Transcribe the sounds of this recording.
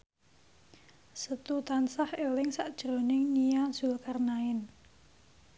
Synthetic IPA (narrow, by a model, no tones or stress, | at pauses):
sət̪ut̪ansahelɪŋsaʔd̥ʒ̥ɾonɪŋnijaz̥ulkarnaɪn